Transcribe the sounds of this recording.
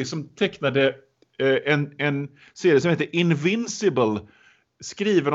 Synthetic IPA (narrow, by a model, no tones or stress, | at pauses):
sɔmt̪ʰɛknad̪ə | ʔɛnɛn | seːɾɪəsɔmheːt̪ːəʔɪnvɪnsɪbəl | skɾiːvəɾ